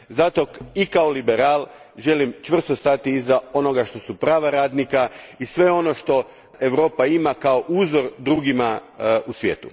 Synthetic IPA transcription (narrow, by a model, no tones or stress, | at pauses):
zat̪o̞ikaolibeɾaːlˠ | ʒe̞limt͡ʃʋr̩st̪ost̪at̪iːzao̞no̞ɡaʃt̪o̞supɾaːʋaɾaːd̪nikaisʋe̞o̞no̞ʃt̪o̞ | e̞ʋɾo̞ːpaimakao̞ʔuːzo̞ɾd̪ɾuːɡimausʋjḛːt̪u